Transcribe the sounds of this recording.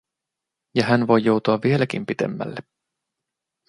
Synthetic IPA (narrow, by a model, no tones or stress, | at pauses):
jɑhænʋo̞jːo̞wt̪uɑʋːie̞læk̟impit̪ḛmːæ̰lːe